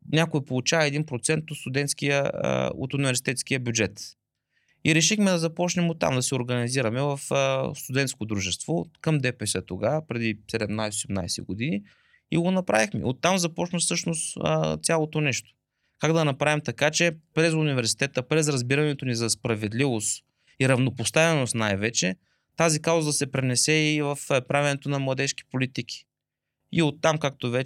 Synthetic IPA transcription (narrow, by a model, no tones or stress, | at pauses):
nʲakoɛpolˠut͡ʃavɐɛd̪inpɾot̪sɛnt̪ot̪st̪ʊd̪ɛnt̪skijə̰o̰t̪ʊnivɛɾsi̥t̪ɛt̪skiəbʲjud͡ʒɛt̪ | iɾɛʃixmɛd̪ɐzɐpɔt͡ʃnɛmot̪ːa̰md̪ɐsɛoɾɡɐniziɾɐmɛvɐfəst̪ʊd̪ɛnt̪skod̪ɾuʒɛst̪vokɐmd̪ɛpɛsɛt̪oɡapɾɛd̪isɛd̪ɛmnajsɛosɛmna̰jsɛ̰ɡod̪ini | ḭɡonɐpɾavixmḭot̪ːamzɐpɔt͡ʃnəsɤʃnost̪ːt̪sʲalˠot̪onɛʃt̪o̥ | kaɡd̪ɐnɐpɾavimt̪ɐkat͡ʃɛpɾɛzʊnivɛɾsi̥t̪ɛt̪əpɾɛzɾɐzbiɾɐnɛt̪onizɐspɾɐvɛd̪livost̪ | iɾɐvnopost̪avɛnost̪najvɛt͡ʃɛ | t̪azikaʊzɐd̪ɐsɛpɾɛnɛsɛivəfpɾavɛnɛt̪onɐmlˠɐd̪ɛʃki̥polit̪ikʰi̥ | iot̪ːamkak̚t̪ovɛ